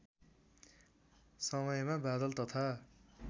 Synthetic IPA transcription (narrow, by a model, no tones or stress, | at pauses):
sʌmʌjmabad̪ʌlt̪ʌt̪ʰa